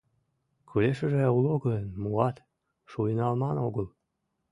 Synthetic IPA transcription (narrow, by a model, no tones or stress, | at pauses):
kʰyleʃəʒeɑuloɣəənmuɑt̪ | ʃujnɑlmɑnoɣəl